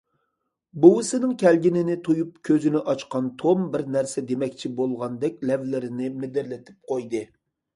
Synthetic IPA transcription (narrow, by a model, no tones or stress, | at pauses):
buwɪsɪnɪŋkʲʰælɡʲinɪnɪt̪ʰojup̚kʲʰøzɪnɪʔɑt͡ʃqɑnt̪ʰombɪɾnæɾsɛd̪emɛkʲt͡ʃʰibolˠʁɑnd̪ɛk̚ʲlɛvlɪɾɪnɪmɪd̪ɪɾlɪt̪ʰɪ̥p̚qʰojd̪ɨ